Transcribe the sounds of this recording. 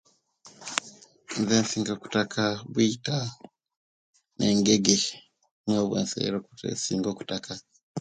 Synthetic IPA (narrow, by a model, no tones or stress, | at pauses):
nzeːnsiːŋɡoku̥takʰaβwiːta | nʔeŋɡeɡe | ɲoβwḛːnsḛɾokutḛsiːŋɡoku̥taka